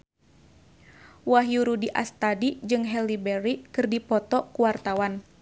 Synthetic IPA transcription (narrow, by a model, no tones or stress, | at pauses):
waɦjuɾudiʔa̰st̪adid͡ʒɨŋɦɛlibɛɾikɨrdipɔt̪ɔkuwart̪awan